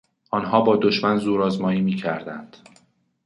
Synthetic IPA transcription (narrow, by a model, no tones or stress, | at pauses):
ʔɒːnɦɒːbɒːd̪oʃmænzuːɾɒːzmɒːiːmiːcʰæɾd̪ænd̪̥